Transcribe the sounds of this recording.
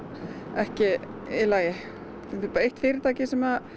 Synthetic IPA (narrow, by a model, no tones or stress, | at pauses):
ɛhcɪɪlaːjɪ | θɪpːejht̪fɪːɾɪɾt̪ʰaːcɪsɛmða